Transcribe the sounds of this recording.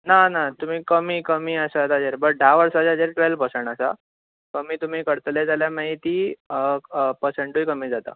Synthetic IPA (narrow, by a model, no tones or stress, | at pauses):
nanat̪um̤iːkəmiːkəmiːəsat̪ad͡zeɾbəʈ̚ɖʱaʋəɾsad͡ʑad͡zeɾʈʋelpəɾseɳʈasa̰ | kəmiːt̪um̤iːkəɽt̪led͡zaljaməɦit̪iː | pəɾseɳʈuikəmiːd͡zat̪a̰